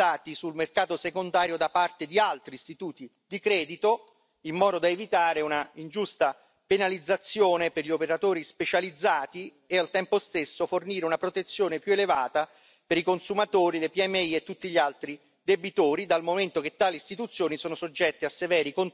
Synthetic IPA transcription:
aːt̪isulmerkaːt̪osekond̪aːɾjod̪apart̪ed̪ialt̪ɾiːst̪it̪uːt̪i | d̪ikɾɛːd̪it̪o | imːɔːd̪od̪aevit̪aːɾeunaind͡ʒust̪a | penalid̪zːat̪sːjoːneperʎiopeɾat̪oːɾispet͡ʃalid̪zːaːt̪i | ealt̪ɛmpost̪esːoforniːɾeunapɾot̪et̪sːjoːnepjuelevaːt̪a | peɾikonsumat̪oːɾilepiɛmːeiet̪ːut̪ːiʎialt̪ɾi | d̪ebit̪oːɾid̪almoment̪ok̟et̪ːaːlist̪it̪ut̪sːjoːnisɔːnosod͡ʒːɛt̪ːeasːevɛːɾikon

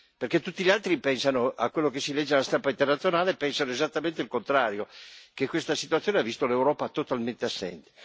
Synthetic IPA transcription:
perket̪ːut̪ːiʎalt̪ɾipɛnsanoa̰kːwelːokesilɛd͡ʒːealast̪ampaint̪ernat̪sjonaːlepɛnsanoezat̪ːament̪eilkont̪ɾaːɾjokekːwest̪asit̪ut̪sːjoːneavist̪olewɾɔːpat̪ot̪alment̪easːɛ̰nt̪e̥

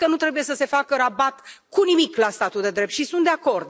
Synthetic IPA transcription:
kənut̪ɾe̞buje̞səse̞fakəɾabat̪kunimiklast̪at̪uld̪e̞d̪ɾe̞p̚t̪ʃisunt̪d̪eako̞rd̪̚

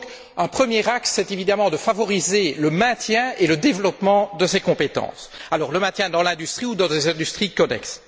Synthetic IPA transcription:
k | œ̃pχəmjeʁaksːɛt̪evid̪amɑ̃d̪əfavɔʁizeləmɛ̃t̪jɛ̃eləd̪evlɔpmɑ̃d̪əsekɔ̃pet̪ɑ̰̃salɔʁləmɛ̃t̪jɛ̃d̪ɑ̃lɛ̃d̪yst̪χiud̪ɑ̃d̪ezɛ̃d̪yst̪χikɔnɛ̰ks

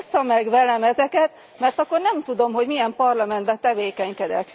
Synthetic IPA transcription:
sːɒmɛɡʋɛlɛmɛzɛkɛt̪ | mɛrt̪ɒkːo̞rnɛmt̪ud̪o̞mɦo̞ɟmijɛmpɒrlɒmɛnd̪bɛt̪ɛveːkɛɲkɛd̪ɛ̰k

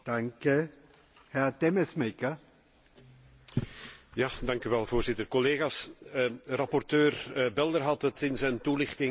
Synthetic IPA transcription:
d̥aŋkə | hɛʁtɛməsmekə | jaːdɑŋkyʋɛlˠvoːrzɪtərkɔleːɣaːs | rɑpɔrtøːrbɛlˠdərɦɑtətɪnzɛjntulɪxtɪŋ

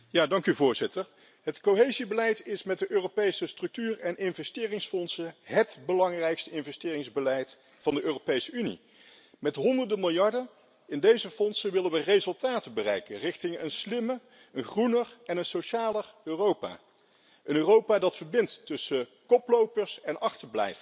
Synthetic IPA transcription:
jaːdɑŋkyvʊːɹzɪtəɹ | ɦətkoɦejzibəlɛjtɪsmɛt̚dəʔøːropejsəstrɵk̚tyːrɛnɪnvɛstɪːrɪŋsfɔnsəɦətbəlɑŋrɛjkstəɪnvɛstɪːrɪŋzbəlɛjt | fɑndəʔøːropejsəynḭ | mɛtɦɔndəɹdəmɪlˠjɑɹdən | ɪndejzəfɔnsənʋɪlənʋərezɵlˠtaːtəbərɛ̰jkənrɪχtɪŋənslɪmə | ənχrunərɛnənsoʃaːləøːrowpa̰ː | ənøːrowpaːdɑtfəɹbɪntːɵsəkɔplowpəɹsɛnʔɑχtəɹblɛ̰jf

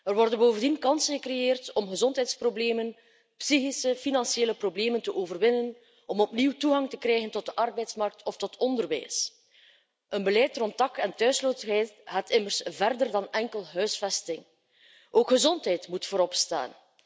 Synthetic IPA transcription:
ərʋɔrdənboːvəndinkɑnsənɣəkrejeːrtɔmɣəzɔntɦɛjtsprobleːmən | psixisəfinɑnseːləprobleːməntəʔoːvərʋɪnən | ɔmɔpniwtuɣɑŋtəkrɛːɣəntɔd̚dəʔɑrbɛjtsmɑrk̚tʰɔftɔtʰɔndərʋɛ̰js | ʔənbəlɛjtrɔntɑkɛntœɥsloːtəɦɛjtɦatɪmərsvɛrdərdɑnɛŋkəlˠɦœɥsfɛstɪŋ | ʔoːkxəzɔntɦɛjtmutfoːɾɔpsta̰ːn

